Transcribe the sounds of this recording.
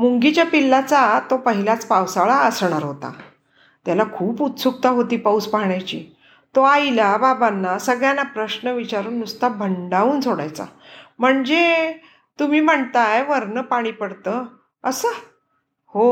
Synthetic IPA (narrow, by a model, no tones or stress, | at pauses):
muŋɡit͡ɕjapilːat͡sat̪opəɦilat͡spawsaɭaəsɳ̃aɾɦot̪a̰ | t̪jalakʰuːput̪suk̚t̪aɦot̪iːpauspaɦɳjat͡ɕiː | t̪oajlababanːasəɡɭjanapɾəɕnəʋit͡ɕaɾuːnːust̪abʱəɳɖaʋuːnsʰoɽa̰jt͡sa̰m̤əɳd͡ze | t̪umiːm̤əɳt̪ajʋəɾnəpaɽ̃iːpəɽt̪ə | əsə | ho